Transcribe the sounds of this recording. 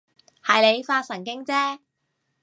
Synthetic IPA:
hɐ˨jle˨˧jfaː˧t̚sɐ˨˩ŋk̬ɪ˥ŋt͡sɛː˥

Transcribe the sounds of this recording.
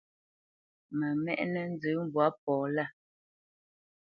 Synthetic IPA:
mɛ˨mɛ̰˦˨ʔnɛ˦n̩˦d͡zə˨˦m˦bwa˨˦p̚ɔː˨la˦˨

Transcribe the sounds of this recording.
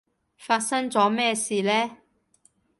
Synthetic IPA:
faː˧t̚sɐ˥ŋt͡sɔː˨˥mɛː˥siː˨˧lɛː˥

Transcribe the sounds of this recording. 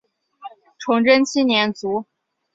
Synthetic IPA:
ʈ͡ʂʰʊ˧˥ŋʈ͡ʂə˥nt͡ɕʰi˥njɛ˧˥nt͡su˧˥

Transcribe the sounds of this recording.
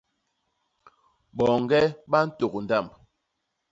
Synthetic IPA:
ɓɔ˨ŋ˦ɡɛ˦ɓa˦n̩˦to˨kn˨da˦˨mb

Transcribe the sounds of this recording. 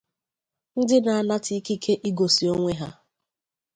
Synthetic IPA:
n̩˦dɪ˦na˨a˨na˦ti˦ki˦kʰe˦ʔi˦ɡo˨si˨o˦ŋʷe˦ɦa˦

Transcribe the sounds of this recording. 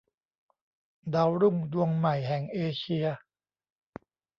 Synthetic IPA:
daː˧wɾu˥˩ŋdu˧əŋma˨˩jɦɛ˨˩ŋʔeː˧t͡ɕʰi˧ɐ

